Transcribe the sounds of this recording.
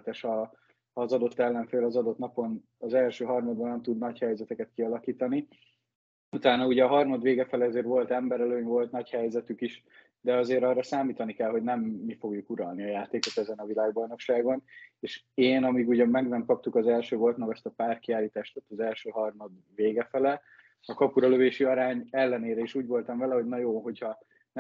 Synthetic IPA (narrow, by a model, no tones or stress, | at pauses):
t̪ɛʃhɒ | hɒːzɒd̪o̞t̪ːɛlːɛɱfeːlɒzɒd̪o̞t̪nɒpo̞n | ɒzɛlʃøːɦɒrmɒd̪bɒnɛmt̪ud̪nɒchɛjzɛt̪ɛkɛt̪kiɒlɒkiːt̪ɒni | ut̪aːnɒuɟɛɒɦɒrmɒd̪ʋeːɡɛfɛleɒzeːɾvo̞lt̪ɛmbɛɾɛløːɲvo̞lt̪nɒchɛjzɛt̪ykiʃ | d̪ɛɒzeːɾɒrːɒsaːmiːt̪ɒnikɛlɦo̞ɟnɛmːifo̞ɡjukuɾɒlniɒjaːt̪eːko̞t̪ɛzɛnɒvilaːɡbɒjno̞kʃaːɡo̞neːʃ | eːnɒmiɡuɟɒmmːɛɡnɛmkɒp̚t̪ukɒzɛlʃøːɡo̞lt̪mɒɡɒst̪ɒpaːr̚kiaːlːiːt̪aːʃt̪ɔt̪ːɒzɛlʃøːɦɒrmɒd̪ | veːɡɛfɛlɛ | ɒkɒpuɾɒløveːʃiɒɾaːɲɛlːɛneːɾɛiːʃuːɟvo̞lt̪ɒɱvɛlɛho̞ɟnɒjoːɦo̞chɒ | nɛ